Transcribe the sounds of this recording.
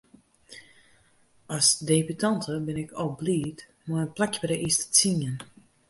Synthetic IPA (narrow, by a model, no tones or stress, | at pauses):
ɔsdeːbytʰɑntʰəbɪnɪkʰɔbliːt | mojənplɛkjəbəɾəʔistə̥t͡sinən